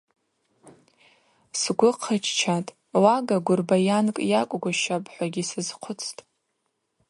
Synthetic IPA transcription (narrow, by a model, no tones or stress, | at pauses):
sɡʷʊqʰət͡ʃʰt͡ʃʰatʼ | waɡaɡʷʊrbajankʼjakʷʼɡʷaʃapʼħʷaɡʲisɨzqʷʰʊt͡sʰtʼ